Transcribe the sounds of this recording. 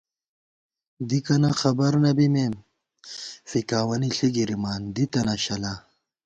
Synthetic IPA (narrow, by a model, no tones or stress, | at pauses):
d̪ikɐnaxɐbɐɾnɐbimem | fikaːwɐniɬiɡiɾimaːnd̪it̪ɐnaɕɐla